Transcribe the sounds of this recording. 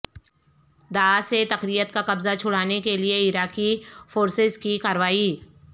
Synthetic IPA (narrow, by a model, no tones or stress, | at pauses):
d̪aaset̪ɐqɾijət̪kaqɐbzat͡ʃʰʊɽ̤aːnekelieɪɾaːqifoːɾsɪzkikaːɾʋaːi